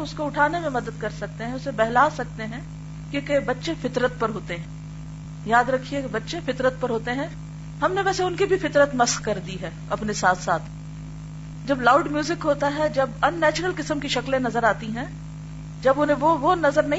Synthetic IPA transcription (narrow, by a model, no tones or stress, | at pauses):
ʊskoʊʈʰaːnemẽmɐd̪əd̪̚kɐɾsɐk̚t̪eɦɛ̃ʊsebɛɦlaːsɐk̚t̪eɦɛ̃ː | kjõːkebɐtːʃẽfɪt̪ɾət̪̚pɐɾɦoːt̪eɦɛ̃ | jaːd̪ɾɐkʰiekbɐtːʃẽfɪt̪ɾət̪̚pɐɾɦoːt̪eɦɛ̃ | ɦɐmneʋɛːseʊnkibʱifɪt̪ɾət̪mɐskkɐɾd̪iɦɛːɐpnesaːt̪ʰsaːt̪ʰ | d͡ʒɐblaːʊɖmjuːzɪkɦoːt̪aɦɛd͡ʒɐbɐnːɛːt͡ʃəɾəlkɪsəmkiʃɐklẽnɐzəɾaːt̪iɦɛ̃ː | d͡ʒɐbʊnɦẽʋoʋonɐzəɾnɐɦ